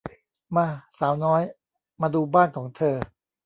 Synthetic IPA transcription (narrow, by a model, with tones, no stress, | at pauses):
maː˧saː˩˦wnɔː˦˥j | maː˧duː˧baː˥˩nkʰɔː˩˦ŋt̪ʰɤː˧